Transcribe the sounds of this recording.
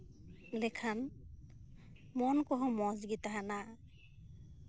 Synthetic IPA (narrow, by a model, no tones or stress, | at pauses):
lekʰan | mɔnkɔɦɔmɔzɡit̪aɦana